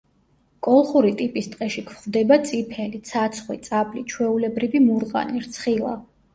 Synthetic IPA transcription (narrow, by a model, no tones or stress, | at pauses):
kʼɔlˠχuɾit̪ʼipʼist̪ʼqʼɛʃikʰχvd̪ɛbat̪sʼipʰɛlit̪sʰat̪sʰχwit̪sʼabʼlit͡ʃʰwɛulɛbɾivimuɾqʼa̰niɾt̪sʰχilˠa̰